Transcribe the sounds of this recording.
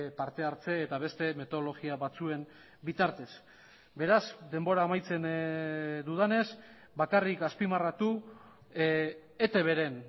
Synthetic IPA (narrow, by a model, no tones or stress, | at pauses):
paɾt̪e̞aɾt͡se̞ːt̪aβe̞st̪e̞me̞t̪o̞olo̞ɣiaβat͡sue̞m | bit̪aɾt̪e̞s | be̞ɾazd̪e̞mbo̞ɾaːmajt͡se̞n | d̪uðane̞s | bakarikaspimarat̪u | et̪e̞βe̞ɾe̞n